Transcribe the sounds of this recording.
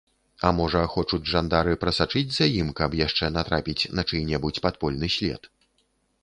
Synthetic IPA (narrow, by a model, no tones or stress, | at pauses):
ɐmɔʐɐxɔt͡ʂud͡zʲʐand̪aɾɨpɾɐsat͡ʂɨd͡zʲzɐjimkɐpjaʂt͡ʂɛnat̪ɾapʲit͡sʲnɐt͡ʂɨjnʲɛbut͡sʲpat̪pɔlʲnɨsʲlʲɛ̰t̪